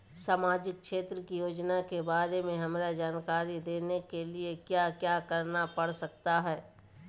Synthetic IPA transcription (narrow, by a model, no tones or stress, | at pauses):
saːmaːd͡ʒɪk̚kʃeːt̪ɾəkijoːd͡ʒnakebaːɾemẽɦɐmɾad͡ʒaːnkaːɾid̪eːnekeliekjaːkjaːkɐɾnapɐɽsɐk̚t̪aɦɛː